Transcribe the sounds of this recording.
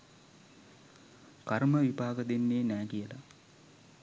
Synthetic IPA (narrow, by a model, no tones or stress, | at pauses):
karməʋibaːɡəd̪enːeːnɛːkijəla̰